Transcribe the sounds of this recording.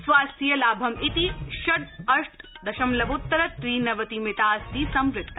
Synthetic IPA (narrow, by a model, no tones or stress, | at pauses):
sʋaːst̪ijɐlaːbʱɐmit̪iʃɐʈ̪ɐʂʈ | d̪ɐʃɐmlɐʋut̪ːɐɾɐt̪ɾiːnɐʋɐt̪imɪt̪aːsd̪iːsɐmɾɪkt̪ːɐ